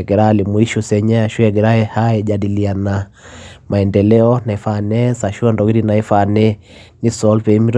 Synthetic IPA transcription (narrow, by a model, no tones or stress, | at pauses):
ɛɡɛɾalimuiʃusɛɲaaʃuɛɡɛɾaɛhaɛʄadiliana | maɛndɛlɛɔnaɛfanɛsaʃuɛndɔwiɾinaifanɛ | nisɔlpɛimiɾ